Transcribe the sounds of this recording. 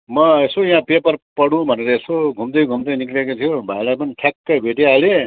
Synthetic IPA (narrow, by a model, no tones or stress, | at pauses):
mʌesojãpepʌrpʌɽũbʱʌneɾʌesoɡʱumd̪ʌjɡʱumd̪ʌniklekot̪ʰijobʱajlajpʌniʈ̪ʰjakːʌbʱeʈiale